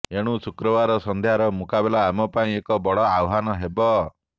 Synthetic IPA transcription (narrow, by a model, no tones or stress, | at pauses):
eɽ̃ũsukɾɔbaɾɔsɔnd̪ʱeɦaɾɔmukabelaːmɔpaĩekɔbɔɽɔawɦanɔɦebɔ